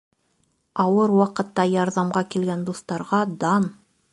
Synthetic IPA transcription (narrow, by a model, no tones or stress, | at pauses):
ɑwɤɾwɑqɤ̆t̪ːɑjɑɾðɑmʁɑkilɡænd̪ust̪ɑɾʁɑd̪ɑn